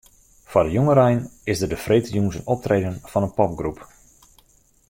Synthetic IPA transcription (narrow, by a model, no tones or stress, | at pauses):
fɔdəjoŋəɾɛjnɪzdərdəfreːtəjuːnsənɔp̚treːdənfɑnənpɔp̚ɡrup